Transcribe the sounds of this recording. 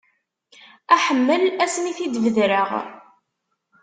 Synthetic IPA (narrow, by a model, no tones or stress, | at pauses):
æħəmːəlæsniθid̪vəðɾəʁ